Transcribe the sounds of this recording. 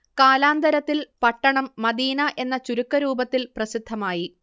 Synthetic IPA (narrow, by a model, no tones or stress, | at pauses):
kaːlaːnd̪ɐɾɐt̪ːilpɐʈːɐɳɐmːɐd̪iːnɐʔe̞nːɐt͡ɕuɾukːɐɾuːbɐt̪ːilprɐsid̪ʱːɐmaːji